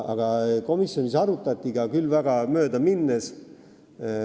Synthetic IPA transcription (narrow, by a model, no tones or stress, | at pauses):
ɑ̰ɡ̥ɑko̞misjo̞nisɑɾut̪ːˑɑt̪ʲːˑiɡ̥ɑkylːvæɡ̥ɑmø̞ːd̪ɑminːes